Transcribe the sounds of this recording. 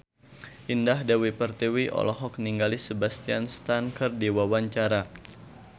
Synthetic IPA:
ʔindahdawipərt̪iwiʔɔ̰lɔɦɔk̚niŋɡalisəbast̪ianst̪ankər̚diwawaɲt͡ʃaɾa

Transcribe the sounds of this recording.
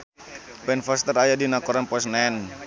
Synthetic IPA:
bɛnfast̪əɾajadinakɔɾanpɔsnan

